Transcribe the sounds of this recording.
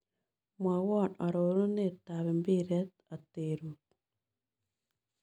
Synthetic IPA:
mwa˨wɔ˦na˨ɾo˨ɾo˦ne˦taβe˨mbi˦ɾɛ˦t̪ | ateɾut̚

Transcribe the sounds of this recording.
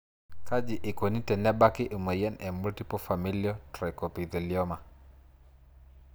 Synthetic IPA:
ka˦d͡ʒi˨ʔɪ˨kwo˨ni˦tɛ˨nɛ˦ba˦kɪ˦ʔu˨ma˨jɛ˦nɛ˨mu˦lti˦pɔ˦fami˦liɔ˦tɾɛ˨ko˨pi˨d̪ɔ˨ljɔ˦ma˨

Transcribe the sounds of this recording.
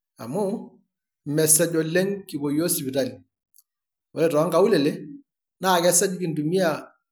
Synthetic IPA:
a̰˨mʊ˦ | mɛ˨sɛ˦d͡ʒɔ˨le˦ŋki˨bo˨jɔ˦si˨bi˨ɾa˨li˨ | ɔ˦ɾɛ˨tɔ˨˦ŋɡa˨u˦lɛ˨le˦ | na˦˨kɛ˦sɛ˦d͡ʒki˨ndu˨mi˦a˨

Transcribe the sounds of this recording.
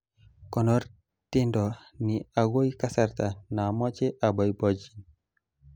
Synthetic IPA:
kɔ˨nɔ˦r | tɪ˦ndɔ˨nɪ˨a˨ɡo˦i˦ka˦sa˦rt̪a˨na˨mɔ˦t͡ʃe˦ʔa˨bɔ˨jbɔ˦d͡ʒi˨n

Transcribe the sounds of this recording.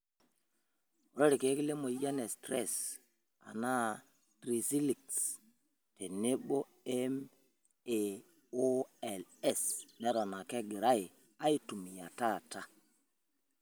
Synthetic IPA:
ɾo˦ɾi˨ke˨˦ki˦le˦mo˨ja˦ne˨stɾɛ̰˦˨s | a̰˨na˦˨ | tɾi˨si˦li˨ks | te˨ne˦ɓo˦ | ɛ˦m | e˨ | o˦ɛ˨lɛ˦˨snɛ˨ɾɔ˨na˨ke˦ɡi˨ɾa˦i˨ | a˦i˦tu˨mi˨ja̰˨ta˦˨ta˦

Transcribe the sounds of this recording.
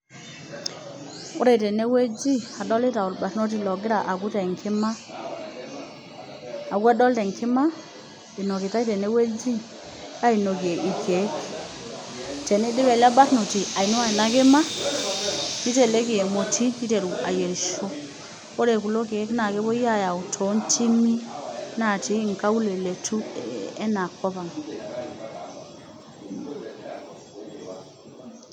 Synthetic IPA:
o˦ɾe˨tɛ˨ne˦we˦d͡ʒi˦a˨dɔ˦le˦ta˨o˨lba˨tno˦t̬i˦lɔ˨ɡɪ˦ɾa˨ʔa˨ɡu˦tɛ˨ŋkʰɪ˦ma˦ | a˨ɡu˦a˦dɔ˦ltɛ˨ŋkʰi˦ma˦ | i˨nɔ˨ke˨ta˦i˦tɛ˨ne˦we˦d͡ʒi˦ | a˦i˨no˨ke˨ʔi˨ke˨˦k | tɛ˨ni˦dɪ˦bɛ˨la˦ba˦tno˨ti˨a˨i˨no˦a˦˨i˨na˦ke˦ma˦ | ni˦t̬e˦˨le˦ki˨e˨mo˨ti˦ni˦te˨ɾu˨ʔa˨je˨ɾʃo˦ | o˦ɾe˨ku˨lo˦ke˨˦kna˨ke˦bo˦ja˦˨ja˨u˨tʰo˨˦ntʰi˦mi˦na˨ti˦˨ŋ˨ka˦u˦le˨le˨tu˦e˦na˨ko˦ba˨ŋ˨

